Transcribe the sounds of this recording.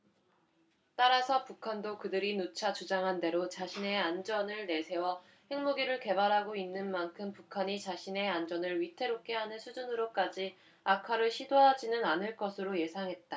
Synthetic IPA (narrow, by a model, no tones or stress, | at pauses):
t͈aɾasʰʌpukʰandokɯdɯɾinut͡ɕʰat͡ɕud͡ʑaŋɦande̞ɾot͡ɕaɕʰine̞and͡ʑʌnɯɭne̞sʰe̞wʌ | he̞ŋmoɡiɾɯɭke̞baɾɦaɡoinːɯnmankʰɯmpukʰaɲit͡ɕaɕʰine̞and͡ʑʌnɯɭɥitʰe̞ɾok͈e̞ɦanɯnsʰud͡ʑunɯɾok͈ad͡ʑi | akʰaɾɯɭɕʰidoɦad͡ʑinɯnanɯɭk͈ʌsʰɯɾoje̞sʰaŋɦe̞t̚t͈a